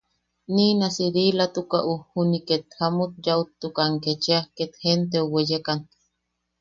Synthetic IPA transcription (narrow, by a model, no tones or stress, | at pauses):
ninasiɾilat̪ukaʔuhuniket̪hamut̪̚jaut̪ːukaŋket͡ʃeahket̪hent̪̬euwejekan